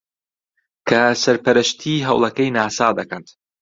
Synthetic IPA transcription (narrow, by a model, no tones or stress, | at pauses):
kʰɐsɐɾpɐɾɐʃt̪ʰiːɦɐ̰wlˠɐkɐjnaːsaːd̪ɐkɐnt̪